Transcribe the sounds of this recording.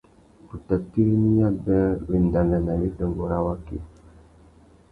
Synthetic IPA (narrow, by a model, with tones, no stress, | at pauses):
pu˨ta˨ti˦ɾni˦ja˦bɛ˦bi˨n˨da˨na˨na˨li˦də˨mbɔ˨ɾa˦wa˦kḭ˨